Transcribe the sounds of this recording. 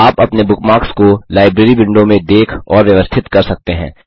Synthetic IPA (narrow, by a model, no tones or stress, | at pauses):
aːpɐpnebʊkmaːɾkskolaːɪbɾeːɾibɪ̃ɳɖõmẽd̪eːkʰɔːɾʋjɐʋəst̪ʰɪt̪kɐɾsɐk̚t̪eɦɛ̰̃ː